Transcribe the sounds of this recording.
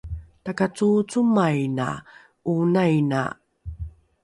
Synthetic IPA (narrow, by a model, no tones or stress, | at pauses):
takat͡sut͡sumajna̰ | unajna̰